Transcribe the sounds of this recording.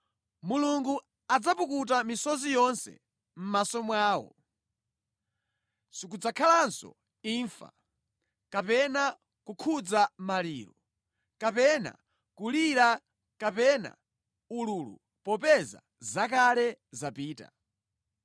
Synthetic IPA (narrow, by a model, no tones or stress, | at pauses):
muluŋɡu | ad͡zapukut̬amisɔzijɔnsɛ̰ | m̩masɔmwaːwɔ̰ | sikud͡zakʰalansɔ̰ | iɱfa̰ | kapɛna | kukʰud͡zamaliːɾɔ | kapɛna̰ | kuliɾa | kapɛna̰ | ululṵ | pɔpɛza̰ | zakalɛzapiːta̰